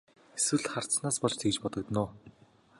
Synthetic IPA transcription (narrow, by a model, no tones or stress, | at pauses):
eswɘ̆ɮχar̥t̪t͡snaːspɔɮt͡ɕt̪ʰekt͡ɕpɔt̪ɞ̆kt̪noː